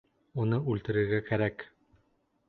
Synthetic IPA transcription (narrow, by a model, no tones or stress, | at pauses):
unɤʉlt̪ɘ̆ɾɘ̆ɾɡækæɾæk